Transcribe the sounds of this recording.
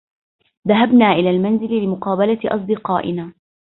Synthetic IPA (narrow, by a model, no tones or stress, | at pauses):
ðaɦabnaːʔɪlaːlmanzɪllɪmʊqɑːbalaʔɑ̰s̬ˤd̪ɨqɑːʔɪ̰naː